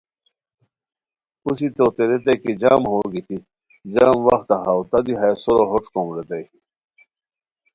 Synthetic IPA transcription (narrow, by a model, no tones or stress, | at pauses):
pusit̪ot̪eɾet̪̬ekid͡ʑaːmɦoːɾɡit̪ʰi | d͡ʑaːmʋɐxt̪aɦawt̪ɐd̪iɦajsoɾoɦoʈ͡ʂkomɾet̪aji